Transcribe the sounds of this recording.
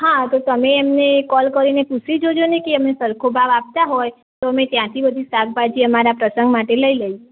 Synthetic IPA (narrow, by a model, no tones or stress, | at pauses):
ɦãt̪ot̪əmeːmnekɔlkəɾineput͡ʃʰid͡ʒod͡ʒonekeəmesəɾkʰobʱaʋap̚t̪aɦɔj | t̪oəmet̪jãt̪ʰibəd̪ʱisak̚bad͡ʒiəmaɾapɾəsəŋɡmaʈeləiləie